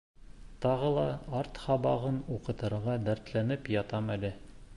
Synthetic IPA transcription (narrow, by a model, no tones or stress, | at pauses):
t̪ɑʁɤlˠɑɑɾt̪hɑbɑʁɤnuqɤ̆t̪ɤ̆ɾʁɑd̪æɾt̪lænɘpjɑt̪ɑmælɘ